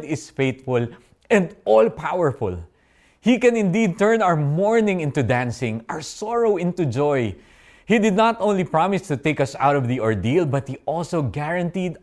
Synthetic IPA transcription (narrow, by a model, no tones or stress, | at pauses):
d̪ɪsfeɪt̪fʊl | ɛ̃nd̪ɔlpawəɹfʊ̰l | hikɛ̃nɪ̃nd̪id̪̚t̪ɛɹnawə˞mɔɹnɪ̃ŋɪ̃nt̪ud̪æ̃nsɪ̃ŋaɹsɔɹowɪ̃nt̪ud͡ʒɔj | hid̪ɨd̪nat̪ʔõʊ̃nlipɹɑmɪst̪ut̪eɪkʌsa̰wɾɔvðiʔɔɹd̪ilbʌt̪̚hiʔɔlsoɡæɹɐ̃nt̪id̪